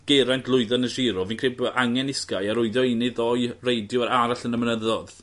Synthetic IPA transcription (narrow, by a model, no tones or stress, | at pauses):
ɡ̥eɾantlˠʊɨðanəʃɪɾɔvinkʰr̥ebʔaŋɛnɪskajaɾʊɨðjɔinɪðɔjrejdjʊwaɾaɾaɬənəmnəðɔð